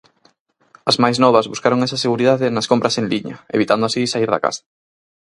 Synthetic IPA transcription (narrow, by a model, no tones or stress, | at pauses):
ɐzmajsnɔβ̞ɐzβuskaɾoŋɛsɐseɣuɾiðaðenɐskompɾɐsenliɲɐ̰ḛβit̪and̪oasisaiɾðɐ̰ka̰sḁ